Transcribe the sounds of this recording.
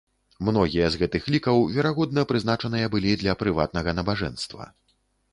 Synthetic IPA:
mnɔɣʲijɐzɣɛt̪ɨxlʲikɐwvʲɛɾaɣɔd̪̚nɐpɾɨznat͡ʂɐnɨjɐbɨlʲid̪lʲɐpɾɨva̰t̪̚nɐɣɐnɐbaʐɛ̰nst̪vɐ̰

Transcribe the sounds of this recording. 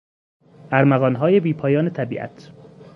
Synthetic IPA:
ʔæɾmæɣɒːnɦɒːjebiːpʰɒːjɒːnet̪ʰæbiːʔæ̰t̪ʰ

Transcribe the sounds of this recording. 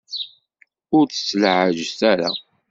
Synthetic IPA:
ʊɾt͡sə̥sːlʕəʒst̪æɾa̰

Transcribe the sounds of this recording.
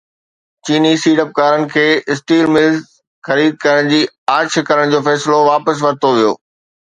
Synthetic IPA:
t͡ɕiːnisiːɖəp̚kaːɾənɪ̆kʰeːʔɪsʈiːlmɪlz | xɐɾiːd̪̚kɐɾəɽ̃d͡ʑiː | aːɾt͡ɕʰkɐɾəɽ̃d͡ʑoːfɛːsloʋaːpəs̬ʋɐɾt̪oʋijo̰ː

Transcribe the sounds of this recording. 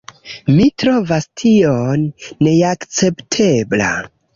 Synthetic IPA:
mitɾo̞vastʰionːe̞akt͡se̞ptʰe̞bla̰

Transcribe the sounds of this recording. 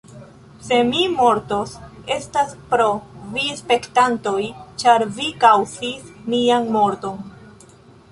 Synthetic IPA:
se̞mimo̞ɾto̞se̞staspɾo̞vispe̞ktanto̞jt͡ʃaɾvikawzismianmo̞ɾto̞n

